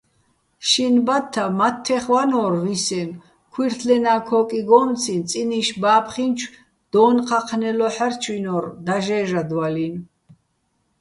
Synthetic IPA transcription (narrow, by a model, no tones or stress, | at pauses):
ʃinbat̪ʰːamat̪ʰːɛχwanɔːrvisɛn | kʰwiɾt̪ʰlɛnaːkʰɔkʼiɡɔːmt͡sʰint͡sʼiniʃbaːpʰχint͡ʃʰ | d̪̥ɔːnqʰaqʰnɛlɔħɛɾt͡ʃʰwinɔːɾd̪aʒɛːʒad̪walin